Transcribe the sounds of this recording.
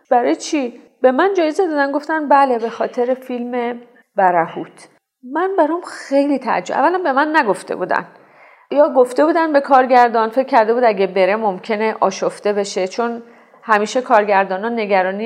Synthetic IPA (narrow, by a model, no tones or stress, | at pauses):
b̥æɾɒːjet͡ʃʰi | be̞mænd͡ʒɒːjezed̪ɒːd̪ænɡo̞ft̪ænbæle̞be̞xɒːt̪ʰe̞ɾefilme̞ | b̥æɾæhuːt̪ʰ | mænbæɾɒmxejliːt̪ʰæ̰d͡ʒoæ̰vːælæmbe̞mænːæɡo̞ft̪ḛbuːd̪æ̰n | jɒːɡoft̪e̞buːd̪ænbe̞kʰɒːɾɟæɾd̪ɒːnfe̞cʰʲːæɾd̪e̞buːd̪æɟʲebe̞ɾe̞momcʰe̞neʔɒːʃoft̪e̞be̞ʃe̞t͡ʃʰon | hæmiːʃekʰɒːɾɟæɾd̪ɒːnɒnːe̞ɟæɾɒːni